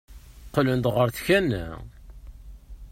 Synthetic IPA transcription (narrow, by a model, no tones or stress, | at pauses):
qlənd̪ʁəɾθçænːæ̰